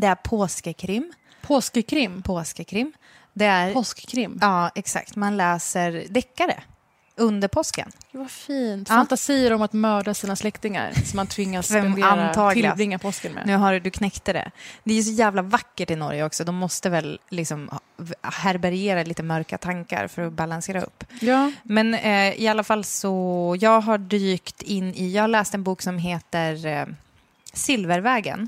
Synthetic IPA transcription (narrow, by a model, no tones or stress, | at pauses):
d̪ɛæɾpʰoːskəkʰɾɪmː | pʰoːskəkʰɾɪmːpʰoːskəkʰɾɪmː | d̪ɛæɾpɔskkʰɾɪmːɑːɛksa̰kt̪manlɛːsəɾd̪ɛkːaɾə̰ | ɵnd̪əɾpʰɔskə̰nːvafiːnt̪fant̪asiːəɾɔmat̪mœːɖasiːnaslɛkt̪ɪŋa̰ɾsɔmant̪ʰvɪŋːasɛmant̪ʰɑːɡɪlbɾɪŋːapʰɔskənmɛ̰nʉ̟ːɦaɾd̪ɵkʰnɛkt̪əɖɛ̰d̪ɛæjʉs̬ɔjæːvlavakːəʈɪnɔ̰ɾjəɔksɔd̪ɔmːɔst̪əvɛlːɪksɔm | hæɾbæɾɪeːɾaliːt̪əmœɾkat̪ʰaŋka̰ɾfœɾɔbalanseːɾaɵ̰pːjmɛnɪalːafalːsɔjɑːɡɦaɖyːkt̪ɪnːɪjɑːɡhaɾɭɛːst̪ɛnbuːksɔmɦeːt̪əɾ | sɪlvəɾvɛːɡə̰n